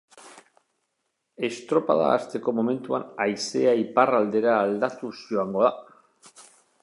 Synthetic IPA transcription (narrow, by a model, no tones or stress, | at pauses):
e̞st̪ɾo̞pa̰ð̞a̰ːst̪e̞ko̞mo̞me̞nt̪uanajseaiparald̪e̞ɾaːld̪at̪uzʝoaŋɡo̞ða